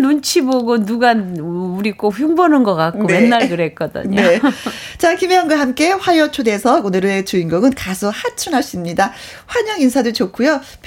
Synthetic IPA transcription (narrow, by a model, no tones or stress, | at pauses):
nont͡ɕʰiboɡonuɡanuɾik͈oɸjuŋbʌnɯnɡʌk͈ak͈̚onmenːaɭkɯɾɦek͈ʌdɯ̰ɲne̞ | t͡ɕakimeʌŋɡwaɦamk͈e̞ɸwajʌt͡ɕʰode̞sʰʌonɯɾet͡ɕuiŋɡʌŋɯnkasʰʌhat͡ɕʰunɦaɕ͈imɲida | ɸwaɲʌŋinsʰadot͡ɕokʰujo | pʰ